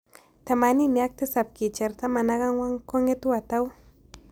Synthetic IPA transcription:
t̪amanimiak̚t̪ɪsap̚kit͡ʃaɾt̪amanaɣaŋwaŋkoŋet̪uat̪aw

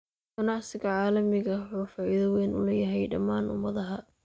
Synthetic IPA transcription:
ɡ̥ɐnɑʕsɪɣɐʕɑːlɐmɪɣɐħuːfɑːɪðɐwɛːnʔʊ̰lɛjɐɦɛjɖɐmaːnʊ̰mɐðɐɦɐ

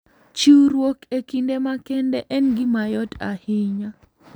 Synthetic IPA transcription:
t͡ʃiwɾwokekindemakɛndɛʔɛnɡɪmajɔta̰hɪɲa

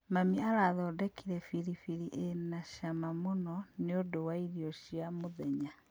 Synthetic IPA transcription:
mamiaɾaðɔːdɛkʰiɾɛfiɾifiɾiʔenaʃamamonɔneodowaiɾiɔɕiamoðɛɲa

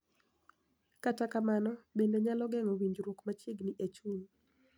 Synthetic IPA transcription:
katakamanɔbendeɲalɔɡɛŋɔwiɲd͡ʒɾwokmat͡ʃɪɡniʔet͡ʃun

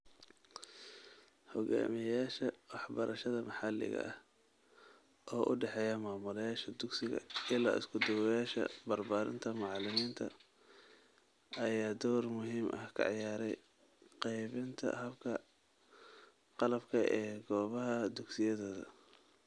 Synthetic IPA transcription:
hɔɡa̰ːmɪjaːʃɐwɑħbɐɾʔɐʃɐðɐmɑħɑlɪ̰ɣɐ̰ʔɐh | ʔɔːʔʊɖɛħɛːjɐmaːmʊlɐjaːʃɐd̪ʊɡsɪɣɐ̰ɪla̰ːʔɪ̰skʰʊd̪ʊwjaːʃɐ̰bɐrbaːɾɪ̰nt̪ʰɐmɑʕɑlɪmiːnt̪ʰɐ | ɐjaːd̪ɔwrmʊɦiːmʔɐ̰hkʰɐ̰ʕjaːɾɛ̰j | qɛjβɪnt̪ʰɐ̰ɦɐbkʰɐ | qɑlɐbkʰɐʔɛːɡɔːβɐɦɐd̪ʊɡsɪjɐðɐːðɐ̰

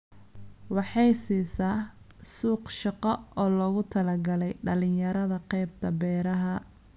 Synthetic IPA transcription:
wɑħɑjsiːsaː | suːqʃɑqɔɔːlɔːɣʊt̪ʰɐlɐɡɐlɛjɖɐlɪjɐɾɐðɐqɛjb̚t̪ʰɐbɛːɾɐɦɐ

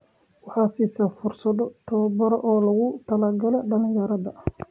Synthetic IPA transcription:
wɑħɑːsiːsɐfʊrsɐðɔt̪ʰɐβɐbɐɾʔɔːlɐɣʊt̪ʰɐlaːɡɐlɛɖɐlɪjɐɾɐðɐʔ

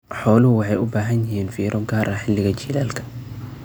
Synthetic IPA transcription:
ħɔːlʊhʊwɑħɑjʊbaːɦɐnjɪɦiːnfiːɾʔɔɡaːɾʔɐħɪlːɪɣɐt͡ʃiːlaːlkʰɐ̥

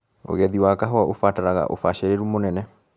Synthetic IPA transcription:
o̰ɣɛðiwakaɦɔɔʔofataɾaɣa̰ʔo̰faʃɛɾeɾumonɛnɛ

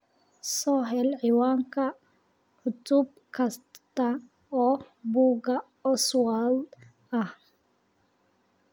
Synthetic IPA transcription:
sɔːɦɛlʕiwaːŋkʰɐ | ʕʊt̪ʊb̚ | kʰɐst̪ɐ | ɔː | buːɡɐ | ɔswal | ɐh

